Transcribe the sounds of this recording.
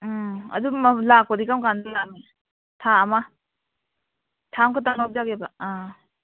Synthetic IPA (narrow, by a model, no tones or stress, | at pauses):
ɐ̰dumlakɔdikamkandɯnami | tʰaːma | tʰaŋkʰɯtanɔp̚d͡ʒaɡebaa